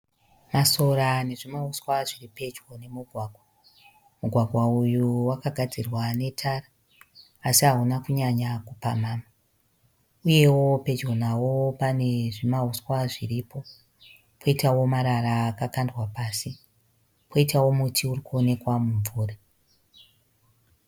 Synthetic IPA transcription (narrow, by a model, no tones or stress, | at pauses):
maso̞ɾane̞ʐimaɦuswaʐiripe̞d͡ʒwo̞ne̞muɡʱwaːɡʱwa | muɡʱwaɡʱwaujuwakaɡʱad͡zirwane̞tʰaraː | siɦaɦunakuɲaɲakupamaːma | uje̞wo̞pe̞d͡ʒo̞nawopane̞ʐimauswaʐiripʰo̞ | pʰo̞itawo̞maɾaraːkakandwapaːsi | pʰo̞itawo̞mutʰiurikuo̞ne̞kwamuɱvuːra